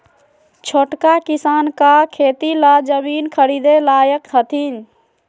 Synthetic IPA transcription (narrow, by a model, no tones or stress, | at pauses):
t͡ʃʰoʈkakisaːnkakʰeːt̪ilad͡ʒəmiːnkʰəɾid̪elaːjəkɦət̪ʰin